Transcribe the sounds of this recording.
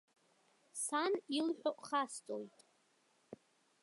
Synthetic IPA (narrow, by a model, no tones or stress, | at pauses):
sanilħʷᶣoʔʼχast͡sʼo̰jtʼ